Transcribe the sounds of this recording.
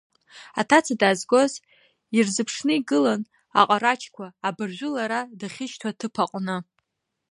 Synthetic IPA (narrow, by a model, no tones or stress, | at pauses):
atʰat͡sʰadaːzɡo̞z | irzɨpʰʂnɨiɡɨlan | a̰qʼaɾat͡ʃʰʼkʷʰaːbɨrʒᶣʷʊlaɾadaχʲɪʃtʰatʰɨpʰaqʷʼnɨ